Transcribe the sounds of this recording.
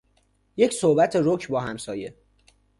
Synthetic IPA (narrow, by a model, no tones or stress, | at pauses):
je̞csohbæt̪ʰeɾocʰbɒːɦæmsɒːje̞